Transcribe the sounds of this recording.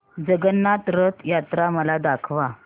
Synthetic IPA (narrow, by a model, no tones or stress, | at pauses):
d͡zəɡənːat̪ɾət̪jat̪ɾaməlad̪akʰʋa